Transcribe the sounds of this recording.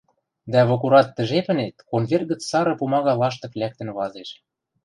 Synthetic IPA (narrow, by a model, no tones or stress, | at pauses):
d̪æβokuɾɑt̪ːə̆ʒepə̆net̪̚konβʲerɣə̆t͡ssɑɾɤ̆pumɑɣɑlɑʃ̬t̪ɤ̆plʲæk̚t̪ə̆nβɑzeʃ